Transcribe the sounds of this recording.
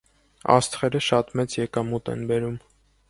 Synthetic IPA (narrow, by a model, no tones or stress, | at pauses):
ɑ̰st̪χɛɾəʃɑt̪mɛt͡sjɛkɑmut̪ɛ̰nbɛɾum